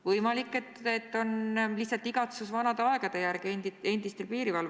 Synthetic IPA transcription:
vɤjmɑlikːˑe̞t̪ːet̪ːo̞nlihtsɑlt̪ːˑiɡ̥ɑt̪susvɑnɑd̪eɑe̞ɡ̥ɑd̪e̞jærɡenie̞nd̪ist̪ibiːɾivɑl

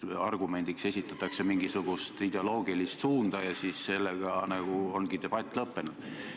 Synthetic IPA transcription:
ɑrɡ̥ume̞nʲd̪̥ikse̞sʲit̪ːˑɑt̪ːˑɑkse̞miŋɡ̥isuɡ̥ust̪id̪e̞o̞lo̞ːɡ̥ilist̪suːnd̪̥ɑjɑsisse̞lːeɡ̥ɑnɑɡ̥uo̞nɡ̥id̪e̞b̥ɑt̪ʲːˑlɤpːe̞nud̥

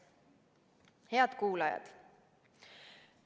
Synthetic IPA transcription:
he̞ɑd̪̥kuːlɑjɑ̰d̪̥

